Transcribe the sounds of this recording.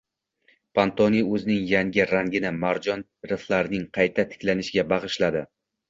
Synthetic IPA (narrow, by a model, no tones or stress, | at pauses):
pʰant̪ʰoniɵzɪnɪŋjaŋɡʲɪɾaŋɡʲɪnɪmaɾd͡ʒɒn | ɾɪflˠaɾɪnɪŋqʰɑjt̪ʰat̪ʰɪ̥kʲlanɪʃɪɡʲabɑʁɨʃlad̪ɪ